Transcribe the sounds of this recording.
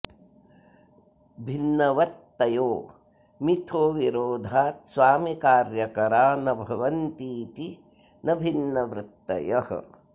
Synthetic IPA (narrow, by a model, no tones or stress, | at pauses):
bʱinːɐʋɐt̪ːɐjoː | mit̪ʰoːʋiɾoːd̪ʱaːt̪sʋaːmikaːɾjɐkɐɾaːnɐbʱɐʋɐnt̪iːt̪i | nɐbʱinːɐʋɾɪt̪ːɐ̰jɐhɐ̰